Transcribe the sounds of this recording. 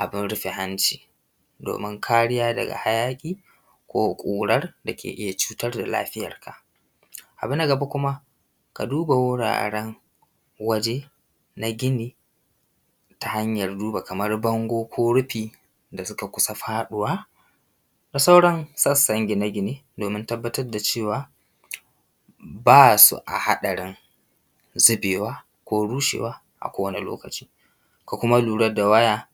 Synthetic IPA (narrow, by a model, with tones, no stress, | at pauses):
ʔa˨bɪ˦nɽʊ˦ɸe˨ɦa˦nt͡ʃi̥ː˨ | do̰ː˨mɪ˦ŋkʰaː˦ɽɪ˦jaː˦dɐ̰˨ɡa̰˨ha˦jaː˦kʲʼiː˦ | kʷoː˦kʷʼuː˨ɽɐ˦rda˨kʲḛː˨ʔɪ˦ja˨t͡ʃuː˦tɐ˦rda˨la̰ː˦ɸɪ˦jɐ̰˨rkʰa̰˨ʔ | ʔa˨bʊ˦na˨ɡɐ˨ba˦kʷʊ˦ma˦ | ka̰˨duː˦ba˨wʊ˦ɽa̰ː˨ɽɛ˦ŋ | wɐ˦d͡ʒe˦ | na˦ɡʲɪ˦niː˨ | ta˨ha˦ɲjɐ˨rduː˦ba˨kɐ˨mɐ˦rbɐ˦ŋɡʷoː˦kʷʰoː˦ɽʊ˦ɸiː˨ | da˨sʊ˦ka˨kʷʊ˦sa˦ɸaː˦ɗʊ˨waː˦ | da˨sa˦wɽɐ˦nsɐ˦sɐ˦ŋɡʲe˨na˦ɡʲɪ˦niː˦doː˨mɪ˦ntɐ˦bːɐ˦tɐ˦rda˨t͡ʃeː˦˨waː˨ | baː˦sṵ˨ʔa̰˨ha˦ɗɐ˨ɽɪ˦n | zʊ˦beː˨waː˦ | kʷoː˦ɽuː˦ʃḛː˨waː˦ | ʔa̰˨kʷoː˦wɐ˦ni˨lo̰ː˦kɐ˨t͡ʃiː˦ | ka˨kʷʊ˦ma˦luː˨ɽɐ˦da˨wɐ˦jaː˦